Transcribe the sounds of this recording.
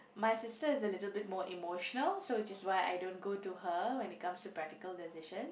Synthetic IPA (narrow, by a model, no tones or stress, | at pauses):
maɪsɪstəɪzəlɪtəl̩ˠbɪt̚mɔɹʔimoʃənəlsoɪtɪswaɪa̰jdõːnɡoːtuhəwɛ̃nit̚kãmstupɹæk̚tɪkəldɛsɪʃə̃n